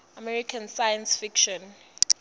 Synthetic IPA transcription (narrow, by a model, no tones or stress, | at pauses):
amɛɹikʰansajãnsfikʃɔ̃n